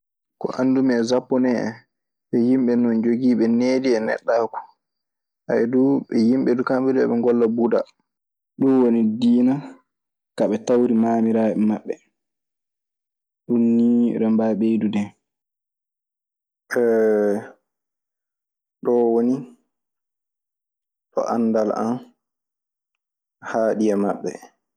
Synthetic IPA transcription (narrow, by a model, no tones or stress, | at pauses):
kɔ̰ʔandumɛzapːɔnɛɛ̰ | ɓɛjimɓɛnɔnd͡ʒoɡiːɓɛneːdiɛnɛ̰ɗːaːkɔ̥ | ʔa̰ɛduɓɛjimɓɛdukambɛduɛ̰ɓɛŋɡɔlːabuda̰ | ɗunwonidiːna | kaɓɛtawɾimaːmiɾaːɛmaɓːɛ | ɗunːiɾɛmbaɓejdudɛ | ʔɛ | ɗɔwoni | tɔ̰ʔandalʔa̰n | haːɗijamaɓːɛ